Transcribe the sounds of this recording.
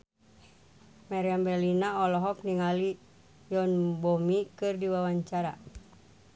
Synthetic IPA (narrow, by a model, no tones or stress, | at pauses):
mɛɾiambɛlinaɔlɔɦɔk̚niŋali | jɔnbɔmikɨrdiwawaɲt͡ʃaɾa̰